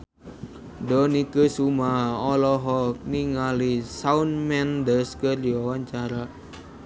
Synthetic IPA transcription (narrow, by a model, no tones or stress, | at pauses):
dɔnikəsumaɔlɔɦɔk̚niŋalisaunmɛndəskəriɔwaɲt͡ʃaɾa